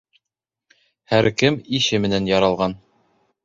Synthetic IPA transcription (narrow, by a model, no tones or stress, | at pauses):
hæɾkɘmiʃɘmɘ̆nænjɑɾɑlˠʁɑn